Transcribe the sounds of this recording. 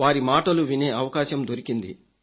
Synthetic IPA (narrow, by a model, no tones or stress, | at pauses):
aːɾimaːʈɐluʋine̞ːɐʋɐkaːʃɐmd̪oɾikind̪ḭ